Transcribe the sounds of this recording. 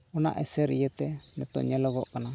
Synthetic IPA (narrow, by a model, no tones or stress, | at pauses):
ɔna̰ʔɛsɛɾijɛt̪ɛmɛt̪ɔ̰ɲɛlɔɡɔʔkana